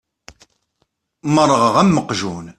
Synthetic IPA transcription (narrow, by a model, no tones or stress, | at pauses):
mərˤːəʁəʁæmːəqʒun